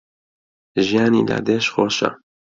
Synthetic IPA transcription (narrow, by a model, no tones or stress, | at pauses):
ʒijaːnila̰d̪eʃxoʃa̰